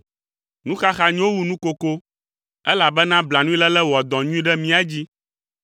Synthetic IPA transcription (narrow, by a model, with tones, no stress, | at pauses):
nũ˦xa˦xa˨ɲĩ˦wo˦wu˨nũ˦ko˨ko˦ | ɛ˦la˨bɛ˦nã˦bla˨nũ˦i˦lɛ˦lɛ˦wɔ˨d̪ɔ̃˨ɲũ˦ĩ˦ɖɛ˦mĩ˦a˦d͡ʑi˦